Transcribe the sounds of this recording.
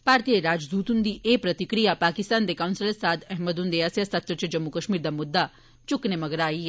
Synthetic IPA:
paːɾt̪ijeɾaːd͡ʒd̪uːt̪und̪iʔeːpɾɐt̪ikɾijapaːkist̪aːnd̪ekawnsɪləsaːd̪ɛɦməd̪und̪eaːsjasɐt̪ɾət͡ʃɐd͡ʒɐmːukɐʃmiːɾd̪amʊd̪ːa | t͡ʃʊknemɐɡɾaːi

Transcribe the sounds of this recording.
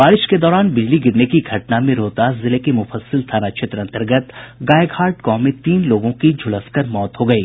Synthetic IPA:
baːɾɪʃked̪ɔːɾaːnbɪd͡ʒliɡɪɾnekiɡʱɐʈnamẽɾoːt̪azɪlekimʊfəsəlt̪ʰaːnat͡ʃʰɪt̪ɾəɐ̃nt̪əɾɡət̪ɡaːjɡhaːɾʈkɔːmːẽt̪iːnloːɡõkid͡ʒʱʊləskəɾmɔːt̪ɦoɡɐiː

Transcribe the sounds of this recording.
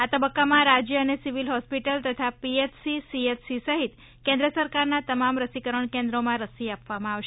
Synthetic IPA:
at̪əbəkːamãɾad͡ʒjəənesiʋilɦɔspiʈəlt̪ət̪ʰapiet͡ʃsisiet͡ʃsisəɦit̪ | kɛ̃nd̪ɾəsəɾkaɾnat̪əmamɾəsikəɾəɳkẽnd̪ɾomãɾəsiapʋamãaʋʃ

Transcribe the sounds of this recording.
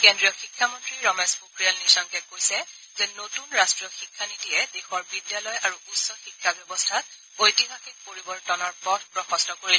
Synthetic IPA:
kendɹijɔxikʰːamɔntɹiɹɔmɛspukɹialnisɔŋkɛkojsɛ | zɛnotunɹastɹijɔxikʰːanitijɛdexɔɹbidjalɔjaɹuusɔxikʰːabjɔbɔstʰat̚ | ojtibʱaxik̚poɹibɔɹtɔnɔɹpɔdʰpɹɔxɔstɔkoɹil

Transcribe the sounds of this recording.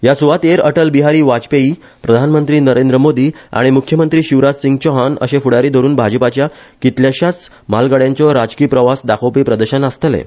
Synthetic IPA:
jasuʋat̪eɾəʈəlbiɦaɾiːʋad͡ʑpeiː | pɾəd̪ʱanmənt̪ɾiːnəɾend̪ɾəmod̪iːa̰ɽ̃imukʰjəmənt̪ɾiːɕiʋɾad͡zsiŋɡt͡ɕɔɦanə̰ɕẽfuɽaɾiːd̪ʱoɾuːnbʱad͡ʑəpat͡ɕja | kit̪ljaɕjat͡s | malɡaɽjaɲt͡ɕɔɾad͡zkiːpɾəʋasd̪akʰopiːpɾəd̪əɕənəst̪lḛ

